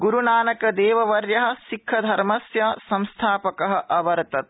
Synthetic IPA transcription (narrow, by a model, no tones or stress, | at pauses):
ɡuɾunaːnɐkɐd̪eːʋɐʋɐɾjɐɦɐ̆ʃikʰːɐd̪ʱɐɾmɐsjɐsɐmst̪ʰaːpɐkɐɦɐ̆ʔɐʋɐɾt̪ɐt̪̚